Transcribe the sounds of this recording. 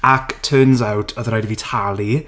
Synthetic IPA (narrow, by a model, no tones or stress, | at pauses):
aktʰøːnzawtʰəðɾɔjdvitʰalˠi